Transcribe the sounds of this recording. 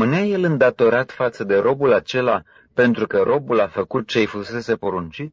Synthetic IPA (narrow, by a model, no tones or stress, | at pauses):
mɨneaje̞lɨnd̪at̪o̞ɾat̪fat̪səd̪e̞ɾo̞bulat͡ʃe̞la | pe̞nt̪ɾukəɾʔo̞bulafəkut̪̚t͡ʃe̞jfuse̞se̞po̞ɾunt͡ʃit̪